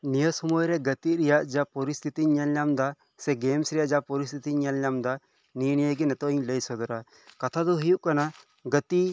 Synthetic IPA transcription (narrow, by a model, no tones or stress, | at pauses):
nijəsɔmɔjɾɛɡət̪iɾɛjaʔd͡ʒapɔɾist̪ʰit̪iɲɛlɲamd̪a | sɛɡɛmsɾɛjaʔd͡ʒapɔɾist̪ʰit̪iɲalɲamd̪a | niənijəɡɛnɛt̪ɔiɲləjsɔd̪ɔɾa | kat̪ʰad̪ɔɦujuʔkana | ɡət̪i